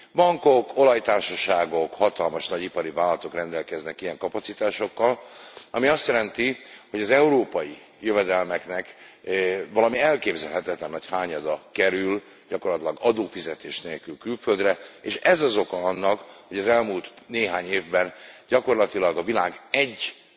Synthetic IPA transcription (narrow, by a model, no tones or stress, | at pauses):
bɒŋko̞ko̞lɒjt̪aːrʃɒʃaːɡo̞khɒt̪ɒlmɒʃnɒɟipɒɾivaːlɒt̪o̞krɛnd̪ɛlkɛznɛkijɛŋkɒpɒt̪sit̪aːʃo̞kːɒlɒ̰miɒst̪jɛlɛnt̪iho̞ɟɒzɛuɾoːpɒji | jøvɛd̪ɛlmɛknɛk | vɒlɒmiɛlkeːbzɛlɦɛt̪ɛt̪lɛnːɒchaːɲɒd̪ɒkɛɾyl | ɟɒkorlɒt̪ilɒɡɒd̪oːfizɛt̪eːʃneːlkylkylføld̪rɛeʃɛzɒzo̞kɒɒnːɒkho̞ɟɒzɛlmuːlt̪neːɦaːɲeːvbɛnɟɒko̞rlɒt̪ilɒɡɒvilaːɡɛɟː